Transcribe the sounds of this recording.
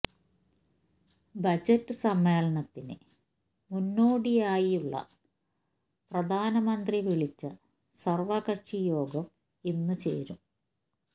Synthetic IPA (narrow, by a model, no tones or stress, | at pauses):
bɐd͡ʑɐtːɨsɐmːeːɭɐnɐt̪ːinɨ̰ | munːoːɽijaːjiuɭːɐ̰ | prɐd̪ʱaːnɐmɐnd̪riʋiɭit͡ɕːɨ | sɐrʋaɣɐʂijo̞ːɡɐm | e̞nːɨt͡ɕḛːɾum